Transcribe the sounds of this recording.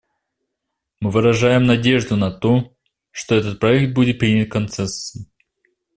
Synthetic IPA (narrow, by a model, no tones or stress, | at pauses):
mɨvɨɾɐʐajɪmnɐdʲe̞ʐd̪ʊnɐt̪o | ʂt̪oɛt̪ət̪̚pɾɐɛk̚t̪̚budʲɪt̪̚pɾʲinʲɪt̪̚kɐnt̪sɛsɨ